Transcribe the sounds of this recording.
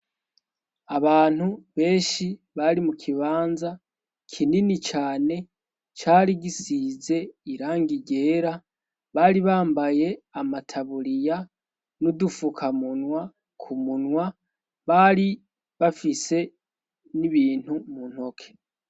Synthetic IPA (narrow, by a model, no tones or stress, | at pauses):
aβaːn̥huβe̞ːnʃi | βaɾimukʰiβaːnza | kʰininit͡ʃaːne̞ | t͡ʃaːɾiɡisiːze̞iɾaːŋɡiɟe̞ːɾa | βaːɾiβaːmbaje̞amatʰaβuɾija | nudufukʰamunwa | kʰumunwa | βaɾi | βafise̞ | niβiːn̥humun̥ho̞kʰe̥